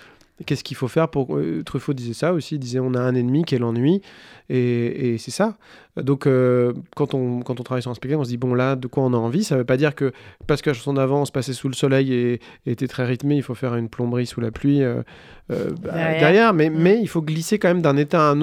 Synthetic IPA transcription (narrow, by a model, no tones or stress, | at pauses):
kʲɛskʲifofɛʁpuʁ̰t̪χyfod̪izɛsaosid̪izɛɔ̃naɛ̃nɛnmikʲiɛlɑ̃nɥieesɛsa | d̪ɔ̃køkɑ̃t̪ɔ̃kɑ̃t̪̬ɔ̃t̪χavajsyʁɛ̃spɛk̚t̪akɔ̃s̬əd̪ibɔ̃lad̪əkwaɔ̃naɑ̃visavəpad̪iʁkəpasəkəlaʃɑ̃sɔ̃d̪avɑ̃ːsə̥pasɛsuləsɔlɛje | eːt̪ɛt̪χɛʁit̪meilfofɛʁynplɔ̃bʁisulaplɥiø̰ | ø̰d̪ɛʁjɛʁmɛmɛilfoɡlisekɑ̃mɛmd̪ɛ̃net̪aɛ̃n